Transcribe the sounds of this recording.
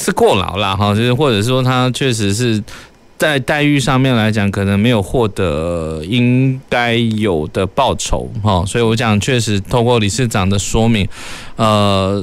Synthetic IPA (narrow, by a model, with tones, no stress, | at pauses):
t͡sʰɹ̩˥˧kwɔ˥˩lɑ̰˨˩˦ʊlɐ˧ɦɑ˥˧t͡ɕjo˥˧ʂɻ̩˥˩xwɔ˥˩ʈ͡ʂɤ˨˩ʂ̬ɻ̩˥˩ʂwɔ˥t̪ʰa˥t͡ɕʰɥɛ˥˩ʂ̬ɻ̩˧˥ʂ̬ɻ̩˥˧ | t͡sa˥˧ɪt̪a˥˧ɪy˥˧ʂɑ˥˧ŋmjɛ˥˨˩nla˧˥ɪt͡ɕjɑ˨˩˦ŋkʰɤ˨˩nə˧˦ŋme˧˥ɪjo˨˩ʊxwɔ˥˩t̪ɤ˧˥i˥ŋka˥ɪjo˨˩ʊd̪ə˦pɑ˥˩ʊʈ͡ʂʰo̰˧˥˦ʊxɑ˥˩swɔ˧˥i˨˩wɔ˧˥t͡ɕjɑ˨˩ŋt͡ɕʰɥɛ˥˩ʂɻ̩˧˥t̪ʰo˥˧ʊkwɔ˥˩li˨˩ʂɻ̩˥˩ʈ͡ʂɑ˨˩ŋd̪ə˦ʂwɔ˥mi˧˥ŋ | ə˧